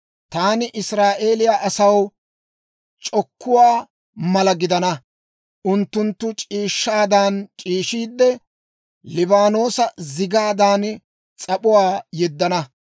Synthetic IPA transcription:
t̪aːnɪʔɪsɾaːʔe̞ːlɪjaʔɐsɐw | t͡ʃʼɔkʰːʊwaː | mɐlɐɡɪd̪ɐnɐ | ʔʊnt̪ːʊnt̪ːʊt͡ʃʼiːʃːaːd̪aːnt͡ʃʼiːʃiːd̪ːɛ | lɪbaːno̞ːsɐzɪɡaːd̪aːn | t͡sʼɐpʊwaːjɛd̪ːɐnɐ

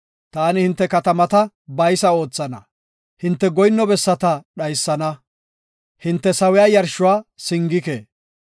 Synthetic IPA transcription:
t̪aːnɪhɪnt̪ːɛkɐt̪ɐmɐt̪ɐ | bɐjsɐo̞ːt͡sːɐnɐ̰ | hɪnt̪ːɛɡɔjnːɔbɛsːɐt̪ɐɗɐjsːɐnɐ | hɪnt̪ːɛsɐwɪjaːjɐɾʃʊwaːsɪŋɡɪkḛː

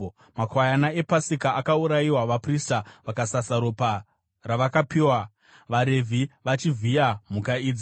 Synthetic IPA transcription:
makwajanae̞pasikaːkauɾaiwaʋapristaʋakasasaɾopa | raʋakapiːwa | ʋaɾe̞vʱiʋat͡ʃivijam̤ukaiːd͡zi

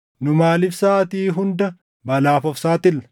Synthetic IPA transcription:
nʊmaːlɪfsaːt̪iːɦʊnd̪ɐ | bɐlaːfɔfsaːt̪ɪlɐ

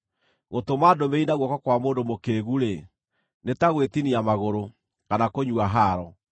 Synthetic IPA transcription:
ɣotomadomeinaɣwɔkɔkwamoːndomokeɣuɾe | netaɣwetiniamaɣoɾo | kanakoɲuaɦaɾɔ

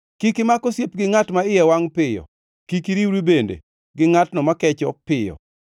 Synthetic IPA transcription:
kikimakosjepɡɪŋatmaɪjɛwaŋpɪjɔ̰ | kikiɾiwɾibendḛ | ɡɪŋatnɔmakɛt͡ʃɔpɪjɔ̰

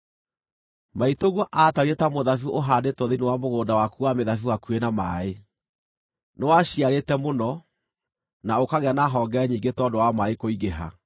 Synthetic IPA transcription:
maitoɣwɔʔataɾietamoðafuʔoɦaːndetoðeniwamoɣoːndawakuwameðafuwakuenamae | newaɕiaɾetɛmonɔ | naokaɣeanaɦɔːŋɡɛɛɲiːŋɡetɔːdowamaekoiɣeɦa̰

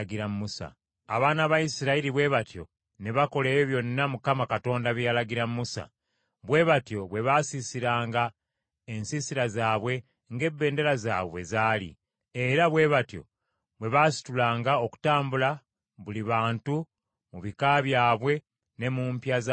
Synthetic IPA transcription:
ɡiɾammusa̰ː | βaːnaβaisiɾailiβwe̞βatjo̞̰ | ne̞βako̞leːβeβjo̞nːamukamakato̞ːndaβjalaɡiɾamːusa̰ | βwe̞ːβatjo̞βwe̞βasisiɾaːŋɡa | ensisiɾazaːβwe̞ | ŋɡe̞bːe̞ːnde̞ɾaza̰ːβwezaːlḭ | e̞ɾaβwe̞ːβatjo̞̰ | βwe̞βasi̥tulaːŋɡao̞ku̥taːmbula | βuliβaːntu | muβikaːβjaːβwe̞ | ne̞mumpjaz

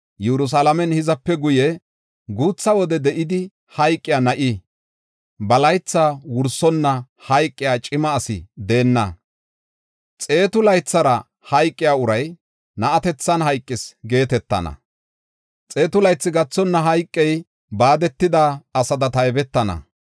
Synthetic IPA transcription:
jɛɾʊs̬alɐmɛnhɪzɐpːɛɡʊjɛ | ɡuːt͡sːɐwɔd̪ɛd̪ɛʔɪd̪ɪ | hɐjkʼːɪjaːnɐʔɪ | bɐlɐjt͡sːaːwʊɾsɔnːɐ | hɐjkʼːɪjaːt͡ʃʼɪmɐːsɪ̰d̪e̞ːnːɐ | t͡sʼe̞ːt̪ʊlɐjt͡sːɐɾɐ | hɐjkʼːɪjaːʊɾɐj | nɐʔɐt̪ɛt͡sːɐnɦɐjkʼːɪsɡe̞ːt̪ɛt̪ːɐ̰nɐ̰ | t͡sʼe̞ːt̪ʊlɐjt͡sːɪɡɐt͡sːɔnːɐɦɐjkʼːɛj | baːd̪ɛt̪ːɪd̪aɐsɐd̪ɐt̪ɐjbɛt̪ːɐnɐ̰

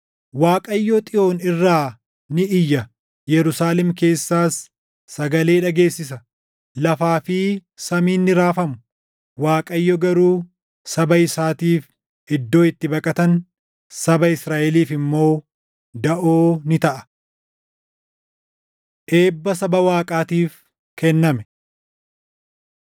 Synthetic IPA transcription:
waːkʼɐjːɔt̪ʼɪo̞ːnɪrːaː | nɪʔɪjːɐ | jɛɾʊsaːlɛmke̞ːsːaːsː | ɐɡɐle̞ːᶑɐɡe̞ːsːɪsɐ | lɐfaːfɪsɐmiːnːɪɾaːfɐmʊ̥ | waːkʼɐjːɔɡɐɾuː | sɐbɐɪsaːt̪iːf | ʔɪd̪ːo̞ːɪt̪ːɪbɐkʼɐt̪ɐn | sɐbɐɪsɾaːʔɛliːfɪmːo̞ː | d̪ɐʔoːnɪt̪ɐʔɐ̥ | ʔe̞ːbːɐsɐbɐwaːkʼaːt̪iːf | kɛnːɐmɛ

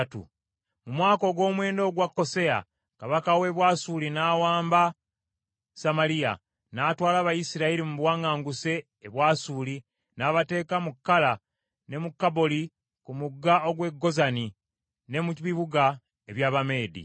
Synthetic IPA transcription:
tṵ | mumwaːko̞ɡwo̞ːmwe̞ːndo̞ːɡwakːo̞se̞ja̰ | kaβakawe̞βwaːsulinaːwaːmba | samalija̰ | naːtwaːlaβajisiɾaiɾimuβwaːŋɡaːŋɡuse̞ː | βwaːsuli | naːβate̞ːkamukːala | ne̞mukːabo̞li | kumuɡːaoɡwe̞ɡːo̞zani | ne̞muiβiβuɡa | eβjaːβame̞ːdḭ

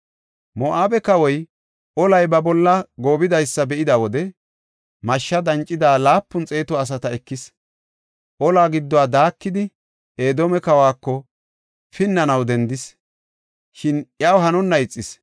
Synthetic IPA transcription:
mɔʔaːbɛkɐwɔj | ʔɔlɐjbɐbɔlːɐɡo̞ːbɪd̪ɐjsːɐbɛʔɪd̪ɐwɔd̪ɛ | mɐʃːɐd̪ɐnt͡ʃʼːɪd̪aːlaːpːʊnt͡sʼe̞ːt̪ɔɐs̬ɐt̪ɐɛkːɪs | ʔɔlaːɡɪd̪ːɔwaːd̪aːkːɪd̪ɪ | ʔe̞ːd̪oːmɛkɐwaːkːɔ | fɪnːɐnɐwd̪ɛnd̪ɪs | ʃɪnjawɦɐnɔnːɐɪt͡sʼːɪs

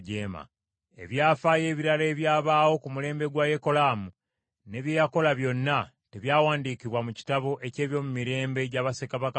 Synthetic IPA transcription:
ɟeːma̰ | e̞̰βjaːfaːje̞ːβiɾale̞ːβjaːβaːwo̞kumule̞ːmbe̞ɡwaje̞ko̞laːmu | ne̞βjeːjako̞laβjo̞nːa | te̞βjaːwaːndiːkiβwamuci̥taβo̞ʔe̞ce̞ːβjo̞ːmumiɾe̞ːmbe̞ɟaβasekaβak

